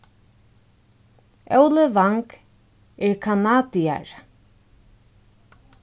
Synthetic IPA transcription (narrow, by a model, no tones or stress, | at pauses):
ʔœwləvaŋk | ɪɹkʰanaːd̪ia̰ɹ